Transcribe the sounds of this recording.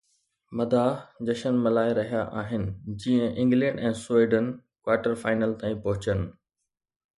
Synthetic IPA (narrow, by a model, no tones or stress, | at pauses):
mɐd̪ʱaːd͡ʑɐʃənmɐlaːɪɾɐɦijaʔaːɦɪnɪ̆d͡ʑĩːə̃ʔɪ̃ŋɡlɛ̃ːɳɖɛ̃ːsweːɖənkwaːʈəɾfaːɪnəlt̪ãːĩpɐɦʊt͡ɕənɪ̆